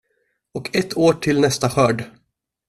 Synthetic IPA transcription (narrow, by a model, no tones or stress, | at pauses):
ɔkʰɛt̪ʰːoːʈʰɪlnɛst̪aɧœːɖ